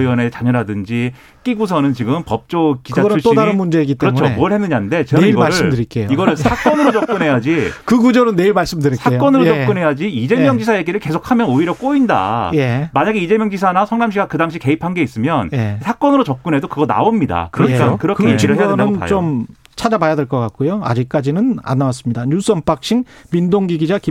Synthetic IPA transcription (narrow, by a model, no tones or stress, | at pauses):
iwʌne̞t͡ɕaɲʌɾadɯnd͡ʑi | k͈iɡus̬ʰʌnɯnt͡ɕiɡɯmpʌp̚t͡ɕ͈ok͈id͡ʑʰat͡ɕʰuɭɕ͈idaɾɯnmund͡ʑeiɡitkɯɾʌt͡ɕʰommuʌɭhenːɯɲannde̞t͡ɕeɡaiɡʌɾsɯɭdɯɾik͈ejoiɡʌɾɯɭsʰak͈ʌnɯɾot͡ɕʌk͈ɯnɦe̞jad͡ʑikɯɡud͡ʑʌɾɯnːe̞iɭmaɭs͈ɯmdɯɾisʰak͈ʌnɯɾot͡ɕʌk͈ɯnɦe̞jad͡ʑiid͡ʑe̞mjʌŋd͡ʑisʰajeɡiɾɯɭke̞sʰokʰamjʌnoiɾjʌk͈oinda̰jemaɲaɡe̞id͡ʑe̞mjʌŋd͡ʑisʰanasʰʌŋnamɕʰiɡakɯdaŋɕʰike̞ipʰanɡe̞is͈ɯmjʌnjesʰak͈ʌnɯɾot͡ɕʌp̚k͈ɯnɦe̞dokɯɡʌna̰omɲida̰kɯɾʌk͈akɯɾʌkkʰeiɾɯɭɡʌaɯnt͡ɕom | t͡ɕʰad͡ʑabajadeɭk͈ʌk͈ak͈ojoa̰d͡ʑik̚k͈ad͡ʑinɯna̰nːawas͈ɯmɲidaɲus͈ʌmp͈ak̚ɕ͈iŋmindoŋɡiɡid͡ʑaki